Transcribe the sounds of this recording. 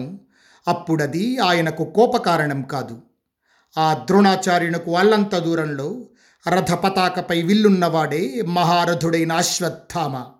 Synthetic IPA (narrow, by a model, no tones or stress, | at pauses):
u | ɐpːuɽɐd̪iaːjɐnɐkukɔːpɐkaːɾɐɳɐmkaːd̪u | aːd̪ɾuɳaːt͡ʃaːɾjuɳɐkuɐlːɐnt̪ɐd̪uːɾɐmlo̞ː | ɾɐd̪ʱɐpɐt̪aːkɐpɐjʋiɭːunːɐʋaːɽeːmɐɦaːɾɐd̪ʱuɽɐjnɐːʃʋɐd̪ʱːaːmɐ